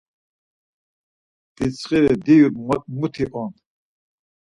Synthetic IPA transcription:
d̥it͡sʰχiɾɛd̪iuɾmut̪ʰiʔɔn

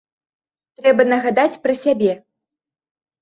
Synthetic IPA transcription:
t̪ɾɛbɐnɐɣad̪at͡sʲpɾɐsʲabʲɛ

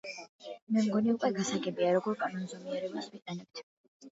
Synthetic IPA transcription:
mɛmɡɔniukʼwɛɡasaɡɛbiaɾɔɡɔɾkʼanɔnzɔmiɛɾɛbaswiqʼɛnɛp̚t̪ʰ

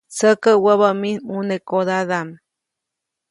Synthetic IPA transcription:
səkəwəβaminunekod̪aðam

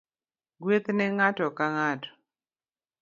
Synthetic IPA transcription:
ɡwet̪nɛŋatɔkaŋatɔ̥

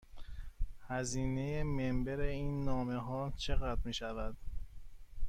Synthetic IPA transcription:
hæziːne̞jemembeɾeiːnːɒːme̞ɦɒːt͡ʃʰe̞ɣæd̪ɾmiːʃævæd̪̥

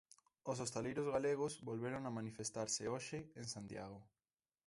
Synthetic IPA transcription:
os̬ost̪elejɾozɣaleɣ̞osβolβeɾoŋamanifest̪aɾsɪoʃɪeŋsant̪ja̰ɣo

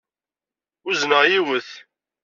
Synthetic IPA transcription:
ʊznəʁjiwəθ

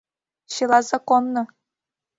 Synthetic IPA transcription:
ɕilˠɑzɑkonːɤ̆

